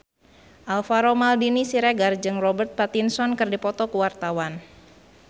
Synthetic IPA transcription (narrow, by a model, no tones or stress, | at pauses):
ʔalfaɾomaldinisiɾɛɡard͡ʒɨŋrɔbərt̪̚pat̪insɔnkɨrdipɔt̪ɔkuwart̪awan